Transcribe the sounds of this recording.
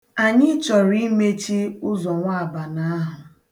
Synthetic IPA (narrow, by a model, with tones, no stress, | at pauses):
a˨ɲɪ˦t͡ʃɔ˨ɾi˦me˦t͡ʃi˦ʊ˦zɔ˨ŋʷa˦a˨ba˨na˦a˦ɦʊ˨